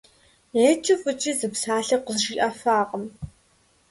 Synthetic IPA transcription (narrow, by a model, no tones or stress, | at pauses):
eːt͡ʃʼɪfʼɨt͡ʃʼizɨpsaːɬɐqʷəzʒiːʔɐfaːqəm